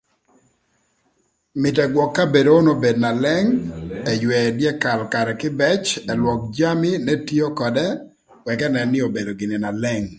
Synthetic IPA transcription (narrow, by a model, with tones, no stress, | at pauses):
mɪ˨tɛ˨ɡwɔ˨kːa˦be˨do˨o˦no˦be˨dna˨lɛ˦ŋɛ˨jwɛ˨djɛ˦ka˨lka˨ɾɛ˨kɪ˦bɛ˦t͡ʃɛ˨lwɔ˨k̚d͡ʒa˦mɪ˦nɛ˦ti˦o˦kɔ˨dɛ˦ | wɛkɛ˦nɛ˨nːɪ˦o˨be˨do˨ɡɪ˨ne˨na˨lɛ˦ŋ